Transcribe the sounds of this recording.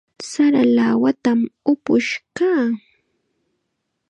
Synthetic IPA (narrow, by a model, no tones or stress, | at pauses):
saɾalawat̪amʊpʊʃkaː